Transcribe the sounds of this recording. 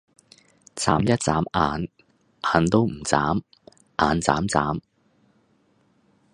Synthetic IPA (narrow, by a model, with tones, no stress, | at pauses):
t͡sa̰ː˨˦˥mjɐ˥t̚t͡sa̰ː˨˦˥mʔaː˨n | ʔaː˨˧nt̪o˥wm̩˨˩t͡saː˨˥m | ʔaː˨˧nt͡sa̰ː˨˥mt͡sa̰ː˨˥m